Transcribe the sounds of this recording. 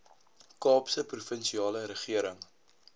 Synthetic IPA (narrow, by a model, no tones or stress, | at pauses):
kɑːpsəprufənʃiɑːləɾəχiəɾəŋ